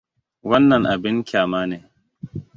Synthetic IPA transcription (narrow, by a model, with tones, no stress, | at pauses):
wɐ˦nːɐ˨ŋʔa˨bɪ˦ŋkʲaː˨maː˦neː˨